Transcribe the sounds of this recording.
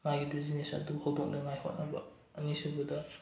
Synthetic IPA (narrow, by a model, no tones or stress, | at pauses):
ŋajɡidizinesɐ̰duhɐwdok̚nɐŋajho̰t̚nɐbɐ̰ː | nisibɐdɐ